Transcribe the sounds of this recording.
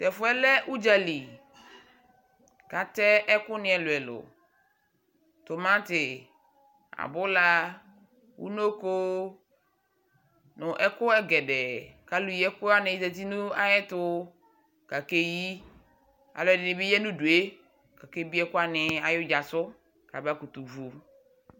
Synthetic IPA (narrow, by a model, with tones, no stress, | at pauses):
tɛ˨fʊ˨˦ɛ˦lɛ˦ʔu˦d͡ʒa˨li˨ | ka˨tɛ˦ʔɛ˦kʊ˦nɪ̃˦ɛ˨lʊ˨ɛ˨lʊ̰˨ | tʊ˨mã˦tɪ˨ | a̰˨bʊ˦la˦ | wṵ˦no˦ko˦ | nʊ˨ʔɛ˦kʊ˦ɛ˦ɡɛ˨dɛ˨ka˦lu˨jɛ˦kʊ˦a˦nɪ˨˦te˨ti˦nũ˦a˦jɛ˦tʊ˦ | ka˨ke˦ji˦ | a̰˨lʊ˨ɛ˨dɪ˨nɪ˨bɪ˦jɛ˦nũ˦du˨e˦ | ka˨ke˦bi˦ɛ˦kʊ˦a˦nɪ˨a˨jʊ˦d͡ʒa˨sʊ˦ | ka˨ba˦ku˨tu˨vu˨